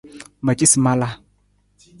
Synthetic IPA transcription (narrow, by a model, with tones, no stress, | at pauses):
ma˨t͡ʃʼi˦sma˦la˦